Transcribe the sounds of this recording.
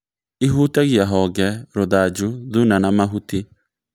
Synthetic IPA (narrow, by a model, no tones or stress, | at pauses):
iɦuːtaɣjaɦɔɣɛɾoðad͡ʒuðunanamaɦuti